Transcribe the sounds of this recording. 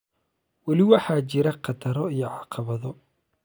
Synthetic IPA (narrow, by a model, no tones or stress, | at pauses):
wɑlɪwɑħɑːt͡ʃɪɾɐqʰɑt̪ʰɐɾɔijɔʕɑqɑβɐðɔ